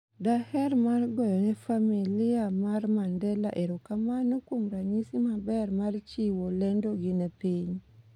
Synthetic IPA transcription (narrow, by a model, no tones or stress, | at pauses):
dahɛrmarɡɔjɔnɛfamiliamarmandɛlaʔeɾokamanokomɾaɲisimabɛrmart͡ʃiwolɛndoɡɪnɛpiɲ